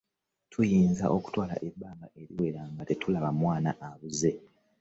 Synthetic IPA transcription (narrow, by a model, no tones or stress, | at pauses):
tʰujiːnza̰ʔo̞ku̥twaːla̰ʔe̞bːaːmɡaʔe̞ɾiwe̞ɾaŋɡate̞tʰulaβamwaːna̰ʔaβuze̞